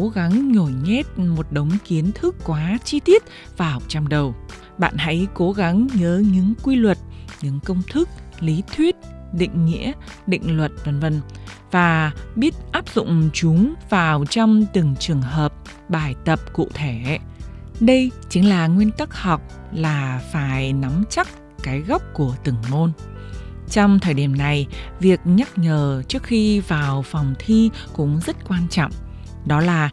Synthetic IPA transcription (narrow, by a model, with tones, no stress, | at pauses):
o˨˦ɣa˨˦ŋɲo˧˩jɲɛ˦˥t̚mo˨˩t̚ɗə˨˦wŋ͡mki˨˦ənt̪ʰɨ˦˥kːwaː˨˦t͡ɕi˧t̪i˦˥ət̚ | vaː˨˩wt͡ɕa˧˩wŋ͡mɗə˨˩w | ɓa̰ː˧˨nha̰˧˥jko˨˦ɣa˨˦ŋɲəː˨˦ɲɨ̰˧˥ŋkwi˧lwə˨˩t̚ɲɨ̰˧˥ŋkə˧wŋ͡mt̪ʰɨ˦˥k̚li˨˦t̪ʰwi˦˥ət̚ɗḭ̈˧˨ŋ̟ŋḭ˧˥əɗḭ˧˨ŋ̟lwə˨˩t̚və˧˩nvə˧nvaː˨˩ɓi˦˥ət̚ʔaː˦˥p̚zʊ̰˧˨ŋ͡mt͡ɕʊ˨˦ŋ͡mvaː˨˩wt͡ɕɔ˧wŋ͡mt̪ɨ˨˩ŋt͡ɕɨ˨˩əŋɦəː˨˩p̚ | ɓaː˧˩jt̪ə˨˩p̚kṵ˧˨t̪ʰe˧˩ | ɗə˧jt͡ɕï˨˦ŋlaː˨˩ŋwi˧ənt̪ə˦˥k̚hɔ˨˩wk͡p̚ | laː˨˩faː˧˩jna˨˦mt͡ɕa˦˥k̚ | kaː˨˦jɣa˦˥wk͡p̚ku˧˩ət̪ɨ˨˧˩ŋmo˧n | t͡ɕɔ˧wŋ͡mt̪ʰəː˧˩jɗi˧˩əmna˨˩jvi˨˩ək̚ɲa˦˥k̚ɲəː˨˩t͡ɕɨ˦˥ək̚xi˧vaː˨˩wfɔ˨˩wŋ͡mt̪ʰi˧ | kʊ̰˧˥ŋ͡mzə˦˥t̚kwaː˧nt͡ɕɔ̰˧˨wŋ͡m | ɗɔ˨˦laː˨˩